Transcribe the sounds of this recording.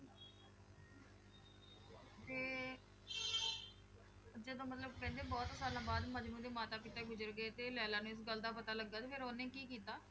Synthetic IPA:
t̪eː | d͡ʒəd̪õːmət̪ləbkɛ̃ːnd̪eːbɔːt̪saːlãːbaːd̪məd͡ʒmũːd̪eːmaːt̪aːkiːt̪aːɡʊzəɾɡeːt̪eːljaːlaːnũːɪs̬ɡəld̪aːpət̪aːləɡːaːt̪eːpʰɪɾoːnẽːkiːkiːt̪aː

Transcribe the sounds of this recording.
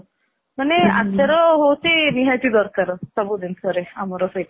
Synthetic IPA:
manea̰seɾɔɦowt͡ʃʰiniɦajt̪id̪ɔɾkaɾɔsɔbud̪insɔɾeamɔɾɔfejt

